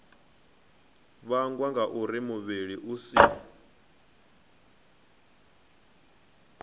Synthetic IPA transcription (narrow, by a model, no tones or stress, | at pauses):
βaŋɡwaŋɡaʔuɾimuβiɺiʔusiː